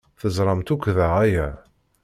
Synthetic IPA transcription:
θəzˤɾˤɑmt̪ukʷːðəʁæjæ

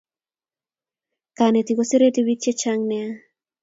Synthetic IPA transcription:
kanet̪ikosiɾetiβit͡ʃet͡ʃaŋnea

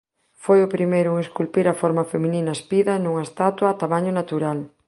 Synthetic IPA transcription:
fojʊpɾimejɾʊuŋeskulpiɾɐfɔɾmɐfemĩninɐespiðɐnuŋaest̪at̪waːt̪amaɲʊnat̪uɾal

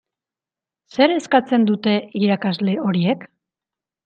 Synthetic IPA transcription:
se̞ɾe̞skat͡se̞nd̪ut̪e̞ʔiɾakazle̞o̞ɾie̞k

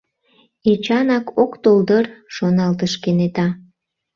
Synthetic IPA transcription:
it͡ɕɑnɑkokt̪old̪ərʃonɑlt̪əʃkenet̪ɑ

